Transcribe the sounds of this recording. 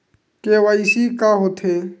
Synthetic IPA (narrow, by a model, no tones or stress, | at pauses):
keʋaisikaɦot̪ʰeː